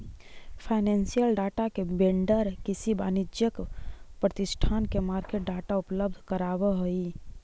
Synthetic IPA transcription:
pʰaɪnensijəlɖaːʈakebẽɳɖəɾkɪsibaːnid͡ʒjəkpɾət̪ɪsʈʰaːnkemaːɾkeʈ̚ɖaːʈaʊpləb̚d̪ʱkəɾaːʋəɦoi

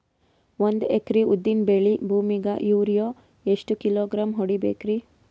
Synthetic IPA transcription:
ʋond̪ekɾiud̪ːinbeɭibʱuːmiɡɐ̰ʔjuːɾjoː | eʂʈukiloːɡɾaːmɦoɽibḛːkɾi

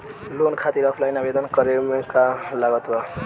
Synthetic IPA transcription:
lonkʰat̪iɾʌpʰlajnabed̪ʌnkʌɾemekalaɡʌt̪bʌ

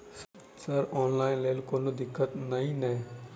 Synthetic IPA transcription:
s | sɐɾɔːnlaːɪnleːlkoːnod̪ɪkʰːət̪nɐɦĩnɛ̃ː

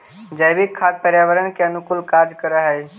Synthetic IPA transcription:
d͡ʒəjbikkʰːad̪̚pəɾjaːʋəɾənkeɐnʊkʊlkaːɾd͡ʒkəɾaɦɛ

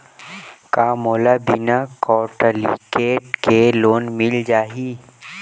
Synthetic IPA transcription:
kaːmoːlabinakɔːʈəlḭʈkeːʈkeloːnmɪld͡ʒaːɦiː

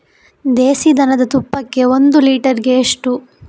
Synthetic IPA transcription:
d̪eːsid̪ɐnɐd̪ɐt̪upːɐkːe̞o̞nd̪uliːʈɐɾiɡeːʂʈu

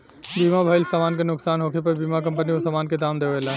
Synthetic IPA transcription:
bimabʱəjlsaːmaːnkenʊksaːnɦokʰepəbimak̬əmpəniosamaːnked̪amd̪eʋelã

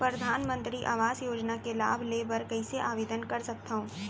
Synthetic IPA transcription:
pɾɐd̪ʱaːnmə̃nt̪ɾiʔa̰ːʋaːzjoːd͡ʒnakela̰ːbʱleːbəɾkɐiseʔaːʋeːd̪ənkɐɾsɐk̚t̪aːɦũː

